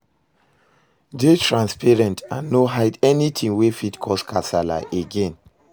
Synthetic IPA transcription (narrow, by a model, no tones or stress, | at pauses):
detɹãnspɛɹɛ̃ntãnːoɦaɪdɛnitʰĩŋwefitkʰɔskʰasala̰ʔeɡẽn